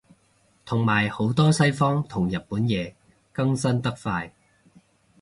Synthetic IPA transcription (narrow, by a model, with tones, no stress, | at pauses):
t̪ʰʊ˨˩ŋmaː˨˩jho˨˥wt̪ɔː˥sɐ˥jfɔː˥ŋt̪ʰʊ˨˩ŋjɐ˨t̚puː˨˥njɛː˨˧ | kɐ˥ŋsɐ˥nt̪ɐ˥k̚faː˧j